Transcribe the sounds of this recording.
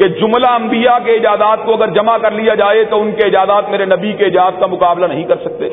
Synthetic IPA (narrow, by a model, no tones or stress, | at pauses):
ked͡ʒʊmlaɐ̃mbijakeɪd͡ʒaːzaːt̪̚koɐɡəɾd͡ʒɐmakɐɾlijad͡ʒaːet̪oʊnkeɪd͡ʒaːd̪aːt̪meːɾenɐbikeɪd͡ʒaːt̪̚kamʊkaːblanɐɦĩkɐɾsɐk̚t̪ḛː